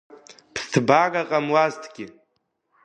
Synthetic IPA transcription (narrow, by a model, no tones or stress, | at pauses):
pʰtʰbaɡaqʼamwaztʰɡʲɪ